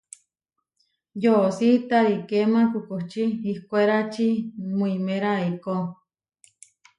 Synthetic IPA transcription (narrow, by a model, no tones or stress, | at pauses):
josit̪aɾikemãkukoht͡ʃiihkoeɾat͡ʃimuimeɾaiko